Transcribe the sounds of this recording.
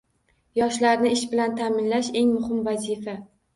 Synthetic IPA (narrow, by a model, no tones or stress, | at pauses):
jɒʃlaɾnɪɪʃbɪlant̪ʰamɪnlaʃe̞ŋmʊhɪmvazifa